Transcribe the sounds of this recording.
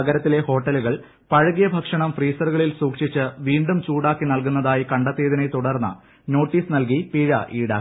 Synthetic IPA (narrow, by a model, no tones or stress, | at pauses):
ɐɡɐɾɐt̪ːile̞ho̞ːʈːɐluɣɐɭ | pɐɻɐɣijɐbʱɐkʂɐɳɐmfriːsɐrɣɐɭilsuːkʂit͡ɕːɨʋiːɳɖumt͡ɕuːɽaːkːinɐlk̬unːɐðaːjikɐɳɖɐt̪ːeːðinejt̪uɽɐrnːɐ̰ | no̞ːʈːiːsnɐlk̬ipiɻɐʔiːɽa̰ː